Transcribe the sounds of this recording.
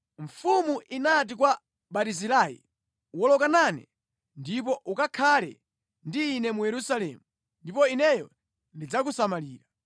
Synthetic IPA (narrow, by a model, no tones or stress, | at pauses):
ɱfumuʔinat̬ikwa | ɓatizilajḭ | wɔlɔkananɛ̰ | ndipɔʔukakʰalɛ̰ | ndiːnɛmujɛɾusalɛ̰ːmu | ndipɔinɛjɔ | ndid͡zak̬usamaliːɾa